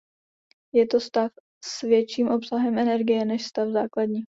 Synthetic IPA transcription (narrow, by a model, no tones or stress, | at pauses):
jɛt̪o̞st̪af | svjɛt͡ʃiːmʔo̞psaɦɛmʔɛnɛɾɡɪjɛnɛʃst̪afzaːkladɲiː